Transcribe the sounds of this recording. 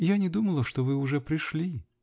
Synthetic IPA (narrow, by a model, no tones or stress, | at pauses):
janʲɪd̪uməlˠəʂt̪ovɨʊʐɛpɾʲɪʂlʲi